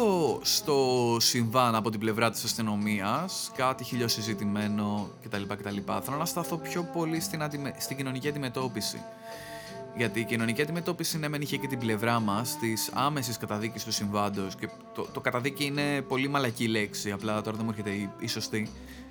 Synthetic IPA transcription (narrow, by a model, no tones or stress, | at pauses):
ost̪o̞siɱvɐnɐpo̞t̪ible̞vɾɐt̪i̥sɐst̪ino̞miɐskɐt̪içiʎo̞sizit̪ime̞no̞ce̞t̪ɐlipɐce̞t̪ɐlipɐ̰θɐlo̞nɐst̪ɐθo̞pço̞po̞list̪inɐd̪imest̪iɟino̞niciɐd̪ime̞t̪o̞pisḭ | ʝɐt̪iːcino̞niciɐd̪ime̞t̪o̞pisinemeniçecet̪ible̞vɾɐmɐst̪isɐ̰me̞siskɐt̪ɐðicist̪usiɱvɐnd̪o̞sce̞ | t̪ot̪o̞kɐt̪ɐðiciine̞po̞limɐlɐcile̞ksiɐplɐt̪o̞ɾɐðemueɾçet̪eiiso̞st̪i